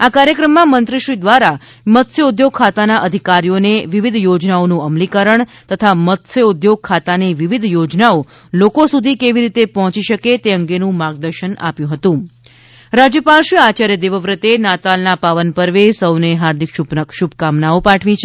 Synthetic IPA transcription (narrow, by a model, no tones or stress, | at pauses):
akaɾjəkɾəmːãmənt̪ɾəʃʋid̪ʋaɾa | mət̪ʰsjəud̪joɡ̚kʰat̪anaʔəd̪ʱikaɾijoneʋiʋid̪ʱjod͡ʒnaonũəmlikəɾəɳt̪ət̪ʰamət̪ʰsəud̪joɡ̚kʰːat̪aniʋiʋid̪ʱjod͡ʒnao | lokosud̪ʱikeʋiɾit̪epɔɦɔ̃t͡ʃiʃəket̪eəŋɡenũmaɡ̚d̪əɾʃəna̰pjũɦət̪ũ | ɾad͡ʒjəpalʃiat͡ʃaɾjəd̪eʋəʋɾət̪enat̪alnapaʋənpəɾʋesəwneɦaɾd̪ʱikʃuʃub̚ʱkamnaopaʈʰʋit͡ʃʰ